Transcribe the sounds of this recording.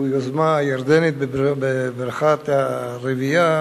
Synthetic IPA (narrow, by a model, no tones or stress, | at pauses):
ujozmajaɾd̪enit̪̚bebbebɾχat̪aɾevija